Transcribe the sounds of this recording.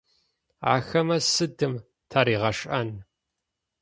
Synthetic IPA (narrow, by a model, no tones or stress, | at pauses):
a̰ːxɐmɐsɨdɨm | tʰaːɾiːʁɐʂʼʔɐn